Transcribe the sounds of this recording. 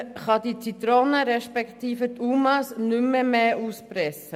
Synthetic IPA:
χɑd̪it͡sit̪ɾonəɾɛʃpɛkt̪iːfətʰumɑsnʏmːəmeːʔuːspɾɛsə

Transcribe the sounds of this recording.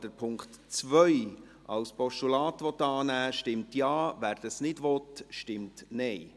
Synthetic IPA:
d̥əɾpʰʊŋkt̪ | t͡sʋœj | ɑwspɔʃtulɑːt̪ʋɔt̪ːɑːnæːʃtɪmtjɑːvæːɾd̥əsnɪdʋɔt̪ʃtɪmtnɛɪ

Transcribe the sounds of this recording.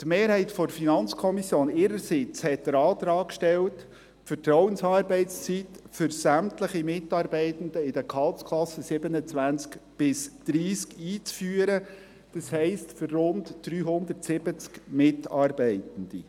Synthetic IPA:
t̪meːɾhɛɪtfɔdfinɑnt͡skʰɔmisjoːnɪːɾəɾsɪt͡shɛt̚d̪̥əɾɑːt̪ɾɑːkʃtɛlt | fəɾtɾɔwənsɑːɾbɛɪtst͡sitfʏɾsæmtləχimɪtɑːɾbɛɪtən̩d̪əɪd̥əkɑltskʰlɑsəsɪbənət͡sʋænt͡skb̥ɪsd̪̥ɾiːskiːt͡sfyːəɾə | d̥ɑshɛɪstfʏrrʊntd̥ɾyːɦʊnd̪əɾtsɪb̥ət͡skmɪtɑːrbɛɪtən̩d̥ḭ

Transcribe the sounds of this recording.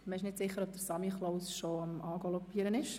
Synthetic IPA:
məɪʃnɪtsɪχːəɾɔpb̚d̪əsɑmiχloʊsʃoɑmɑːɡɔlɔpːiːəɾənɪʃ

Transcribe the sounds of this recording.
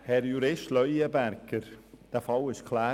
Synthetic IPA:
hɛɾjuɾɪʃtlœjəbæɾkəɾd̥æfɑlɪʃkʰlaː

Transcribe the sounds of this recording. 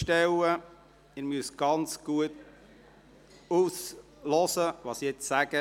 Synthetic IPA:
ʃtɛwə | ɪmyəsɡ̥ɑnt͡sɡ̥uət | us | lɔsəʋɑːsijɛt͡ssæɡə

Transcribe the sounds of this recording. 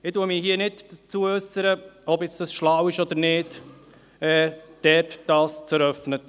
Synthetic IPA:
ɪtuːəmɪhiːənɪtət͡suəœsəɾəɔbjɛt͡sd̥ɑsʃlawɪʃɔd̥̪əɾnɪːd | ɛːd̥ɛtd̥ɑːst͡sɛɾœfnə

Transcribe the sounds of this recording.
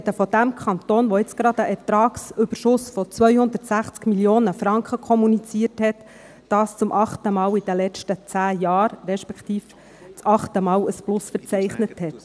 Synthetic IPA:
ɛdəfɔd̪æmkʰɑnt̪oːnʋɔɪt͡sɡ̥ɾɑd̪əʔɛrtɾɑːksʏb̥əɾʃʊsfɔt͡sʋœʏjhʊnd̪ətsæχt͡skmiljoːnəfɾɑŋkχəkʰɔmunit͡siəthɛt | d̥ɑːst͡sʊmʔɑχt̪əmɑːwid̥əlɛt͡ʃtət͡sæːjɑːɾrɛʃpɛkt̪iːf | t͡sɑχtəmɑːlwəsplʊsfəɾt͡sɛɪχnəthɛt

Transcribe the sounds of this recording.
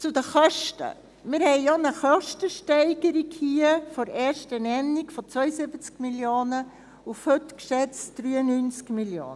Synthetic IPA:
t͡sud̪əχœʃtə̰ | mɪɾhɛɪjonəχœʃtəʃtɛɪɡ̥əɾikhiəfɔɾɛːrʃtənɛnːikfɔt͡sʋœʏəsɪbət͡skmiljoːnə | ufhøtkʃɛt͡sd̥ɾyːənyːnt͡skmiljo̰ːnə

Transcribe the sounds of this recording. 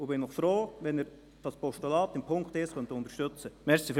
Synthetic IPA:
ʊbɪnnɔχfɾoːʋɛnɪɾ | d̥ɑspɔʃtulɑːt̪ɪmpʰʊŋkt̪ɪsχœnt̪ʊntəɾʃtøt͡səmɛɾsif

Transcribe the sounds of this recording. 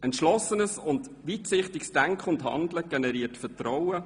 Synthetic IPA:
ʔɛntʃlɔsːənəsʊnd | ʋiːtsɪχtɪksd̥æŋkχəʊnthɑ̰ndləɡ̥enɛɾiːtfətrɔwə

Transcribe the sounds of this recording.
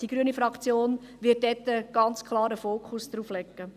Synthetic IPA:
d̥iɡ̥ɾyənifɾɑkt͡sjoːn | ʋɪt̚dɛt̪ːəɡ̥ɑnt͡skʰlˠɑːɾəfoːkʰχusd̥ɾuːflɛkːə

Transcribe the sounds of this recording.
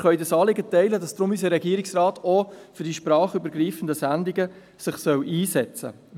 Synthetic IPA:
χœʏdɑsɑːlɪɡətɛɪlədɑsd̥ɾʊmysəɾɛɡiːəɾɪksrɑːtɔfʏɾdiʃpɾɑːχybəɾɡɾiːfən̩dəsændiɡə | sɪχsœwʔiːsɛt͡sə̰

